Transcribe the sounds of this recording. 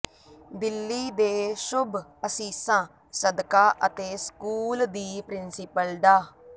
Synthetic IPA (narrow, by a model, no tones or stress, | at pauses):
bɪlːiːd̪eːʃʊbəsĩːsãː | səd̪kaːʔət̪eːskuːld̪iːpɾɪnsɪpəld̪aː